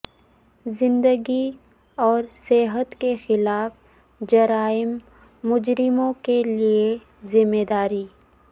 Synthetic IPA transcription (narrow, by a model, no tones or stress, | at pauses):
zɪ̃nd̪əɡi | ɔːɾseɦət̪kexɪlaːf | d͡ʒɐɾaːɪmː | ʊd͡ʒɾɪmõkelie | zɪmːed̪aːɾiː